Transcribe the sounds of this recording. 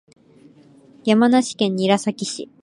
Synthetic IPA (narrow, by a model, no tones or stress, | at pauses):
jamanaɕi̥kẽ̞ɲ̟ːiːɾasakʲiɕḭ